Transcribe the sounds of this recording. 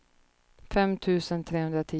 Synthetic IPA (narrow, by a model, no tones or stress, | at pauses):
fɛmt̪ʰʉ̟ːsənt̪ʰɾeːhɵnd̪ɾat̪ʰiː